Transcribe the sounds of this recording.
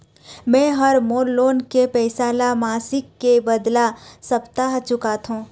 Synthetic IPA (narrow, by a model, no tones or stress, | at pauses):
mɛ̃ːɦəɾmoːlːoːnkepɛːsaːlamaːsɪkːebəd̪lasɐpt̪aɦt͡ʃʊkat̪ɦũː